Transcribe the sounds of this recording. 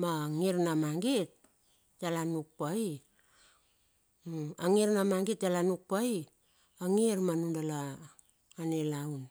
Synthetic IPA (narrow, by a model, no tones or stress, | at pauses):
maŋiɾnamaŋɡet̚ | d͡ʒalanuk̚pai | aŋiɾnamaŋɡit̚d͡ʒalanuk̚pai | aŋiɾmanundalaː | nelaun